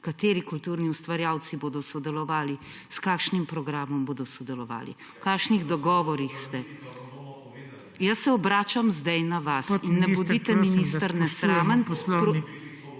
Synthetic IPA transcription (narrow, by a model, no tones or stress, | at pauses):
kat̪eːɾikult̪uːɾniust̪ʋaɾjaːw̪siboːd̪ɔsɔd̪ɛlɔʋaːli | skakʃnimpɾɔɡɾaːmɔmboːd̪ɔsɔd̪ɛlɔʋa̰ːlḭ | kaːkʃniɣd̪ɔɡɔːʋɔɾixst̪ɛ | jɐsːɛɔbɾaːt͡ʃamzd̪ɛjnaʋasinːɛbud̪it̪ɛminist̪əɾnɛsɾaːmənpɾɔ